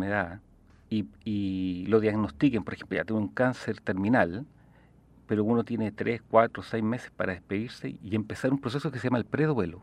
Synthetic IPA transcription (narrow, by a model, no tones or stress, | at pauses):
neða | iiloðjaɣno̞st̪ikempoɾexemploja̰jenuŋkanseɾt̪eɾminal | peɾounot̪je̞net̪ɾʔeskwat̪ɾosejme̞se̥spaɾaðehpeðiɾsḛiempesaɾumpɾo̞s̬esokeseamaelpɾeðwelo